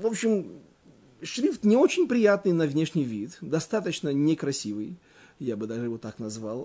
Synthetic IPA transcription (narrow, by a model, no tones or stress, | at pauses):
vo̞pɕɪm | ʂɾʲift̪nʲɪo̞t͡ɕɪnʲpɾʲɪjat̪nɨjnəvnʲeʂnʲɪjvʲit̪d̪ɐst̪at̪ət͡ɕnənʲɪkɾɐsʲivɨj | jabɨd̪aʐɨɪvot̪ːaknɐzvalˠ